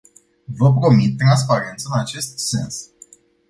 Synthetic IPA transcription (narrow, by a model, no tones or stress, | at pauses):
vəp̬ɾo̞mit̪ːɾans̬paɾe̞nt̪səɨnat͡ʃe̞st̪se̞ns